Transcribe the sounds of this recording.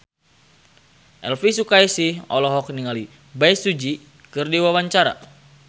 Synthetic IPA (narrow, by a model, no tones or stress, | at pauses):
ʔɛ̰lfisukajsihɔ̰lɔɦɔk̚niŋali | bajsud͡ʒi | kɨrdiwawaɲt͡ʃaɾa̰